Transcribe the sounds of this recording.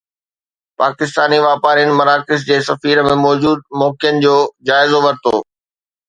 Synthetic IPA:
paːkɪst̪aːniʋaːpaːɾijənɪ̆mɐɾaːkɪs̬d͡ʑeːsɐfiːɾəmẽmɔːd͡ʑuːd̪̚mɔːkɪjənɪ̆d͡ʑoːd͡ʑaːɪzoʋɐɾt̪o̰ː

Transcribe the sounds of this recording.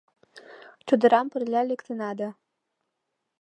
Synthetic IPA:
t͡ʃud̪ɤ̆ɾɑmpə̆rlʲælʲĕkt̪ʰənɑd̪a

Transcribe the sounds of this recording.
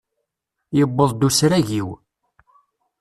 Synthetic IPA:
jəbːəðˤd̪usɾæʝiw

